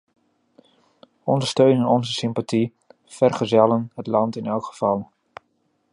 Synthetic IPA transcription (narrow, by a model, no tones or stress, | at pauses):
ɔndəɹstøɥnənɔnzəsɪmpati | fɛrχəzɛlənɦətlɑntɪnɛlˠkχəv̥ɑlˠ